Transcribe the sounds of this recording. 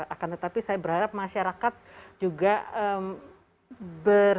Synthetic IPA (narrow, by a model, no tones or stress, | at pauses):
akant̪ət̪apisajabəɾɦaɾap̚maʃaɾakat̪̚d͡ʒuɡaəm | bər